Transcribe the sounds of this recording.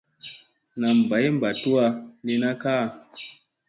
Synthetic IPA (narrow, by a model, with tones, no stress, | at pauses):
na˨m˨ba˨˦jm̩˦ba˨tu˦a˧li˧na˦kaː˦˨